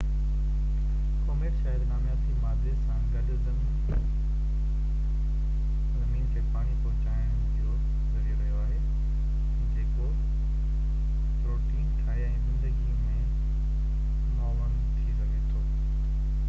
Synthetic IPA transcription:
koːmeːʈʃaːɦɪɾnaːmjaːt̪imaːd̪esãɡɐɖʊzɐ | n | zɐmiːnt̪ʰepaːɽ̃ipɐɦʊ̃t͡ɕaːɪɽ̃ | ijo | zɐɾieɾɐɦijoaːɦe | d͡ʑeːko | pɾoːʈiːnʈʰaːɦeɛ̃ːzɪ̃nd̪əɡimẽ | maːʋəñt̪ʰiɾɐɡet̪ʰoː

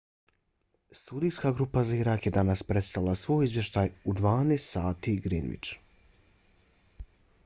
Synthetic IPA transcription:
st̪uːd̪ijskaɡɾupazaiɾakjed̪anaspɾe̞t̪st̪aʋilˠasʋo̞ːjizʋjeʃt̪ajud̪ʋaːnest̪saːt̪iɡɾḭnʋḭt͡ʃ

